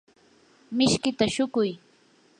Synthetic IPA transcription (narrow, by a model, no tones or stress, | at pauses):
mɪʃkɪt̪aʃʊkʊj